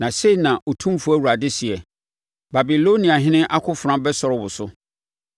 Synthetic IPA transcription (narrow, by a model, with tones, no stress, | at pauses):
nã˨se˦i˨nã˨ʔɔ˨tʰũ˦fu˦æ˦˨wu˨ɾa˨dɪ˦si˨ɛ˨ | ba˨bi˨lo˦nĩ˨a˨ɦɪ̃˦nɪ̃˦ʔa˦kʰʊ˦fʊ˨ɾã˦bɛ˦sɔ˨ɾɔ˦wʊ˨sʊ˦